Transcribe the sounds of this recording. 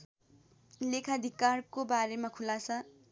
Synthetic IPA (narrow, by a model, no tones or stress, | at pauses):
lekʰad̪ʱikarkobaɾemakʰulasa